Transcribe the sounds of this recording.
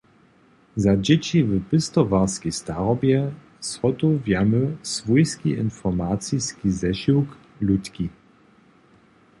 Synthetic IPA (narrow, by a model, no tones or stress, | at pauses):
zad͡ʑɛt͡ɕivəpɘst̪ɔvaʁskist̪aʁɔbjɛ | sɔt̪uvjaməsvujskʲiʔɪnfɔʁmat͡siskizɛʃiwk | lut̪kʲi